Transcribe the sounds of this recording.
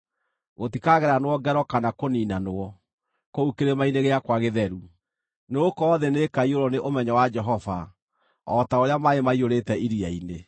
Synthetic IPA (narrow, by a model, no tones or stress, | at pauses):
ɣotikaɣɛɾanowɔɡɛɾɔkanakoniːnanoɔ | koukeɾemaineɣeakwaɣeðɛɾu | neokɔːðɛnekaioɾɔneʔomɛɲɔwad͡ʒɛɦɔva | ɔtaoɾeamaemaioɾetɛiɾiaine